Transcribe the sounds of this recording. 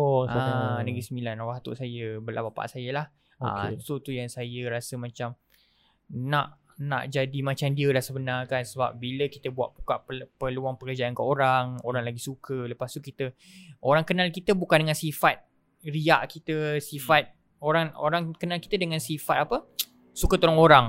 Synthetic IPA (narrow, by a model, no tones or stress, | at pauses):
oanəɡisəmilanwaɦt̪ṵʔsajəbəlʔabapa̰ʔsajəlah | ə̰t̪ut̪ujaŋsajəɾasəmãt͡ʃam | naʔ | na̰ʔd͡ʒadimãt͡ʃamdiəlahsəbənarkansəba̰p̚biləkit̪əbua̰ʔpukaʔpəluaŋpəkərd͡ʒaankəoɾaŋoɾaŋlaɡisukʰələpast̪ukit̪ə | ʔoɾaŋkənalkit̪əbukandəŋansifat̪̚ | riaʔkit̪əsifat̪̚ | oɾaŋo̰ɾaŋkənalkit̪ədəŋansifat̪̚apə | sukət̪oɾaŋoɾaŋ